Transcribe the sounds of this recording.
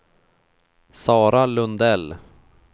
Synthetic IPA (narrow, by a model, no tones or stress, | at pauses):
sɑːɾalɵnd̪ɛl